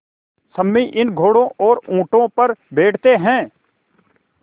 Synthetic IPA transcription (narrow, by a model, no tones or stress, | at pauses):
sɐmːiʔɪnɡʱoːɽõʔɔːɾũːʈõpɐɾbeːʈʰt̪eɦɛ̃ː